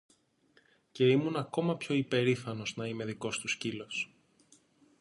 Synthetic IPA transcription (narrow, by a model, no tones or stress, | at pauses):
ce̞imunɐko̞mɐpço̞ipe̞ɾifɐno̞znɐime̞ðiko̞st̪uscilo̞s